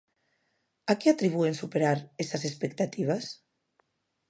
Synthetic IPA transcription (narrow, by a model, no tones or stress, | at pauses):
akeat̪ɾiβ̞uensupeɾaɾesasespek̚t̪at̪iβ̞as